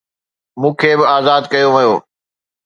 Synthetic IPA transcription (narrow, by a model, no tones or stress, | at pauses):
mũːkʰeːbɪaːzaːd̪kɐjoʋɐjoː